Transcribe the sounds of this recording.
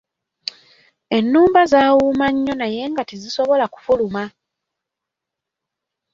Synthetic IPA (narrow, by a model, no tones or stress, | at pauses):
e̞nːuːmbazaːwumaɲːo̞naje̞ːŋɡatiziso̞βo̞laku̥fuluma